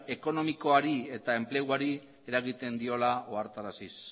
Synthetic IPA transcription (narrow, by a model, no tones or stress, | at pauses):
e̞ko̞no̞miko̞aɾie̞t̪ae̞mple̞ɣwaɾi | e̞ɾaɣit̪e̞nd̪io̞lao̞aɾt̪aɾasis